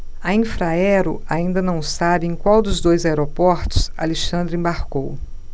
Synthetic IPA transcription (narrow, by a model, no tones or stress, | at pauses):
aĩfɾaɛɾʊaĩnd̪ɐnɐ̃w̃sabɪẽj̃kwawd̪ʊzd̪ojzaeɾopɔɾt̪ʊ̥sa̰leʃɐ̃nd̪ɾʊẽbaɾkow